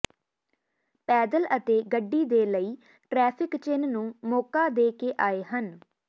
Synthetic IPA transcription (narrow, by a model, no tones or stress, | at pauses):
pɛːd̪ələt̪eːɡəɖːiːd̪eːləiː | ʈɾɛːpʰɪkt͡ʃɪnnũːmɔːkaːd̪eːkeːʔaːeːɦən